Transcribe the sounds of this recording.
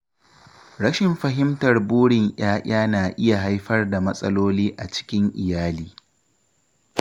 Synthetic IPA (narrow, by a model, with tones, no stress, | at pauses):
ɽɐ˦ʃɪ˨mɸɐ˨ɦɪ˦mtɐ˨rbuː˦ɽɪ˨ŋj̰aː˦ʔaː˦naː˨ʔɪ˦ja˨ɦa˦jɸɐ˦rda˨mɐ˦sʼɐ̰˦loː˦liː˦ʔa˨t͡ʃɪ̥˦kʲɪ˦ŋʔɪ˨jaː˦liː˨